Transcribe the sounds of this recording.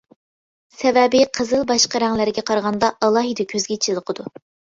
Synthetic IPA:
sɛvɛbɪqʰəzɨlˠbɑʃqɑɾɛŋlɪɾɪɡʲɛqʰɑɾʁɑnd̪ɑʔɑlˠɑːɦɨd̪ɨkʲʰøzɡʲɛt͡ʃʰilˠəqʰəd̪u

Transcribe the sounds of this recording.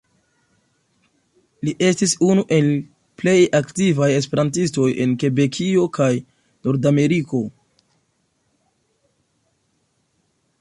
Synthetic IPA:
liʔe̞stisunuʔe̞l | ple̞jaktivaje̞spe̞ɾantisto̞je̞nke̞be̞kʰio̞kaj | no̞ɾdame̞ɾiko̞

